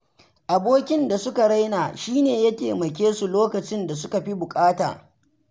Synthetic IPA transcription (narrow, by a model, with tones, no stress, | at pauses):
ʔa˨boː˦kʲɪ˦nda˨sʊ˦ka˨ɽa˦jnaː˨ʃiː˦neː˨jɐ˦kʲeː˨mɐ˨k̬ʲeː˦su˨loː˦kɐ˨t͡ʃɪ˦nda˨s̬ʊ˦ka˨ɸi˦bʊ˨kʼaː˦ta̰ː˨